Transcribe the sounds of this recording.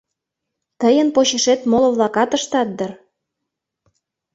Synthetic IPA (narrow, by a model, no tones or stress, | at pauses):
t̪əjənpoɕeʃet̪moloβlɑkɑt̪əʃt̪ɑt̪̚d̪ər